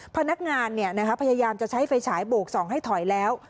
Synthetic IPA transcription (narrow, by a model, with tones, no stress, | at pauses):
pʰa˧na˦˥k̚ŋaː˧nːi˥˩ɐna˦˥kʰa˦˥pʰa˧jaː˧jaː˧mt͡ɕa˨˩t͡ɕʰa˦˥jfa˧jt͡ɕʰaː˩˦jboː˨˩k̚sɔː˩˦ŋɦa˥˩jt̪ʰɔ˨˩˦jlɛː˦˥w